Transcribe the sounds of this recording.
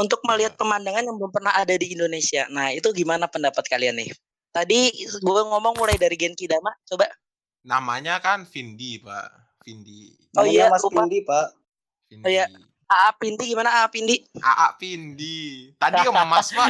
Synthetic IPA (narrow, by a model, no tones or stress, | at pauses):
unt̪ʊk̚məliɦat̪̚pəmandaŋanjaŋbəlʊmpərnahadadiːndonesia̰nahit̪uɡimanapəndapat̪̚kalianɪ̰h | t̪adiɡuɛŋɔmɔŋmulajdaɾiɡɛnkidamaʔt͡ʃobaʔ | namaɲakanfindipa̰ʔ | findi | ijaauadipaʔ | ija | aʔapindiɡimanaaːpindiʔa̰ʔapindit̪adikaməmaspa